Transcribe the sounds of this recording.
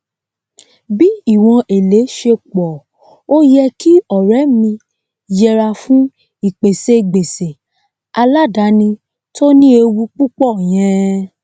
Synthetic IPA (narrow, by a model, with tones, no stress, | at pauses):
bi˦i˦˨w̃ɔ̃˧ʔe˨le˨˦ʃe˧k͡pɔ˨ | o˦jɛ˧ki˦ɔ˨ɾɛ˨˦mĩ˧ | jɛ˧ɾa˧fũ˦ | i˨k͡pe˨se˧ɡ͡be˨se˨ | a˧la˦da˨˦nĩ˧ | to˦nĩ˦e˧wu˧k͡pu˦k͡pɔ˦˨j̃ɛ̃˧